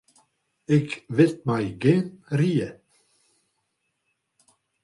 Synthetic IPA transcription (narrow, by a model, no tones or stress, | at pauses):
ɪkvɪlt̪̚majɡeːnɾiːə